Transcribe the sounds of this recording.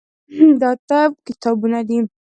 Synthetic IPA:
d̪ɑt̪ab̚kɪt̪ɑbunad̪i

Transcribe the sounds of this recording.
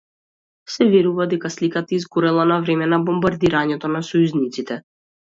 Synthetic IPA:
sɛvɛɾuvad̪ɛkaslikat̪aizɡoɾɛlˠanavɾɛmɛnabɔmbaɾd̪iɾaɲɛt̪ɔnasɔjuznit̪sit̪ɛ

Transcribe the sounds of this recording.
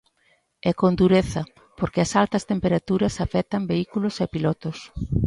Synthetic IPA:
ɛkond̪uɾeθɐ | poɾkɪɐsalt̪ɐst̪empeɾat̪uɾɐsafɛt̪ɐmbeikulʊsɛpilɔt̪ʊs

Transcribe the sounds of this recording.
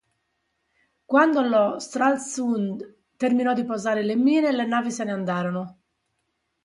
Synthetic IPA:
kwand̪olɔst̪ɾalsund̪ | t̪erminɔd̪ːipɔzaːɾelemːiːnelɛnaːviseneand̪aːɾɔno

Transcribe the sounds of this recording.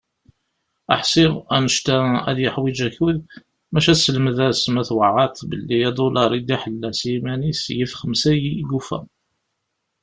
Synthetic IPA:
æ̰ħsiʁænəʃt̪ææ̰ðjəħwid͡ʒæçwið | mæʃæsəlməðæsmæθwəʕat̪bəlːijæd̪olɑɾˤid̪iħəlːæsimænisjifχəmsæjiɡufæ̰

